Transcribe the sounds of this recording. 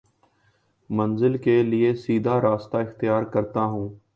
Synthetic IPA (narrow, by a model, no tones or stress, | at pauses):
mə̃nzɪlkelɪesiːd̪ʱaːɾaːst̪aɪxt̪ɪjaːɾkəɾt̪aːɦũː